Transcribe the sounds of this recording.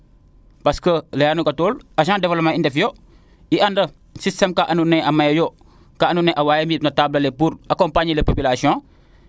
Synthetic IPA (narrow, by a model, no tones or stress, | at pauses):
pɐskəlejanuɡatoːlɐʃãːdevolmaindefjo | iʔandɐ | sistemkaʔanuneʔamajjo | kaanuneʔawaːjemitnɐtablɐlepuɾɐkompaɲilepopilasiõ